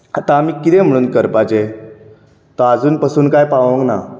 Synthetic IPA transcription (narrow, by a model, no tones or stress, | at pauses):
at̪ãmiːkːit̪ɛ̃m̤əɽ̃uːnkəɾpad͡ʑe | t̪ɔad͡zuːnpəsuːnkajpaʋə̃ŋɡna